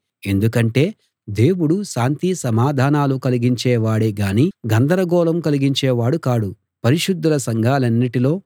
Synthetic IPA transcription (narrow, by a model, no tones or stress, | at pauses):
e̞nd̪ukɐɳʈe̞ː | d̪e̞ːwuɽuʃaːnt̪isɐmaːd̪ʱaːnaːlukɐliɡiɲt͡ʃɛːʋaːɽeɡaːniːɡɐnd̪ɐɾɐɡɔːlɐmkɐliɡiɲt͡ʃɛːʋaːɽukaːɽu | pɐɾiʂud̪ːulɐsɐŋɡʱaːlɐnːiʈilo̞ː